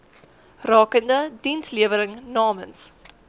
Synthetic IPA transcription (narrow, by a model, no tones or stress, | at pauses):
rɑːkəndədinsliəvəɾəŋnɑːməns